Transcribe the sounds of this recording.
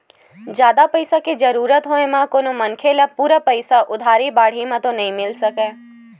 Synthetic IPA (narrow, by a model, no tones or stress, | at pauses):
d͡ʒjaːd̪apəɪsaked͡ʒəɾuːɾət̪ɦoẽmãkoːnomənkʰelapuːɾapəɪsaʔʊd̪ʱaːɾibaːɽ̤imãt̪onɐɦĩmɪlsəkẽː